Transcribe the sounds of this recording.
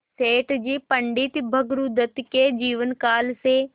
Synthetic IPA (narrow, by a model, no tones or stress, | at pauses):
seːʈd͡ʑiːpɐ̃ɳɖɪt̪bʱɐɡɾud̪ət̪ked͡ʑiːʋənkaːlseː